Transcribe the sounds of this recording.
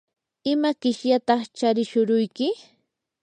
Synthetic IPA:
ɪmakɪʃjat̪ɑχt͡ʃaɾɪʃʊɾʊjkɪ

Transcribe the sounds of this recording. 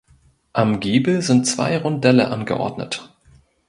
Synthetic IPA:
ʔamɡeːbl̩zɪntt͡sv̥a̰ɪʁʊndɛləʔanɡəʔɔ̰ɐdnə̰t

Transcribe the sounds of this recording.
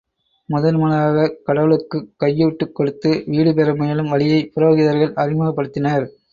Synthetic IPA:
mʊðɐnmʊnɐaːɣɐkɐɽɐʋɐɭɯkːɯkːɐjːuːʈːɯkːɔɽɯt̪ːɯʋiːɽɯpɛɾɐmʊjɐlɯmʋɐɭɪjɐɪpʊɾoːɣɪðɐɾɣɐɭʔɐrɪmɐɣɐpːɐɽɯt̪ːɪnɐɾ

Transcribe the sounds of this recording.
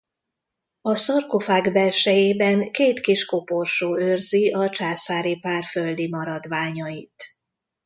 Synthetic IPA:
ɒsɒrko̞faːɡbɛlʃɛjeːbɛŋkeːt̪kiʃko̞porʃoːørziʔɒt͡ʃaːsaːɾipaːrføld̪imɒɾɒd̪ʋaːɲɒit̪

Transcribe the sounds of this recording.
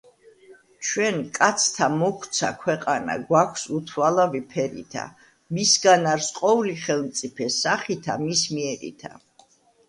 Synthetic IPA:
t͡ʃʰwɛnkʼat̪sʰt̪ʰamɔkʰwt̪sʰa̰kʰwɛqʼana̰ɡwakʷʰsut̪ʰwalavipʰɛɾḭt̪ʰa̰ | misɡanaɾsqʼɔuliχɛlˠmt̪sʼipʰɛsaχit̪ʰamismiɛɾḭt̪ʰa̰

